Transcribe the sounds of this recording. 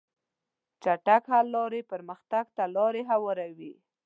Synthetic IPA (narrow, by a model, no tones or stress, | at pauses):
t͡ʃaʈakhalːɑɾepəɾməxt̪aɡt̪alɑɾeɦawɔɾawi